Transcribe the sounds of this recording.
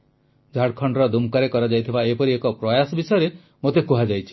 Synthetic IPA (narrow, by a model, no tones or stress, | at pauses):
d͡ʒʱaɽkʰɔɳɖɾɔd̪umkaɾekɔɾad͡ʒajt̪ʰibaepɔɾiekɔpɾɔjasɔbisɔjɔɾe | mot̪ekuɦad͡ʒajt͡ʃʰi̥